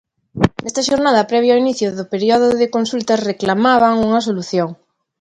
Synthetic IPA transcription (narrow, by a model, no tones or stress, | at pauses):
nest̪aʃoɾnaðapɾɛβ̞jainiθjoðopeɾjoðoðekonsult̪asreklamaβaŋuŋasoluθjoŋ